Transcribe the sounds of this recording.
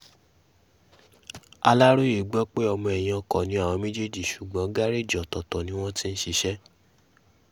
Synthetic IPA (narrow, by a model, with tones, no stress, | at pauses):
a˧la˦ɾo˦i˦˨ɡ͡bɔ˦k͡pe˦ɔ˧mɔ̃˧ɛ˨j̃ã˧kɔ˨nĩ˨˦a˦˨wɔ̃˧mĩ˦d͡ʒe˦d͡ʒi˨ʃu˨ɡ͡bɔ̃˨˦ɡa˦ɾe˦˨d͡ʒɔ˨tɔ˨tɔ˨nĩ˨˦w̃ɔ̃˦ti˦n̩˦ʃi˧ʃɛ˦